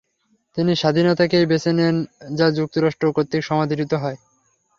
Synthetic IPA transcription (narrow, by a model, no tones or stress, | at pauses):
t̪iniʃad̪ʱinot̪akejbet͡ɕenend͡ʑad͡ʑuk̚t̪oɾaʃʈɾokot̪ːikʃɔmad̪ʱiɾit̪oɦɔe